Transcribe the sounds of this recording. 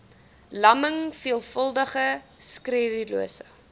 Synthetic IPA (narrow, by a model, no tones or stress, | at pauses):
lɐməŋfiəlˠfəlˠdəχəskridiluəsə̰